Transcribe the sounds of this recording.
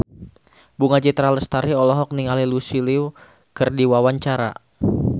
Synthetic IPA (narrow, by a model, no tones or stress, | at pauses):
buŋad͡ʒit̪ɾaləst̪aɾiɔlɔɦɔk̚niŋalilusiliw | kərdiwawaɲt͡ʃaɾa̰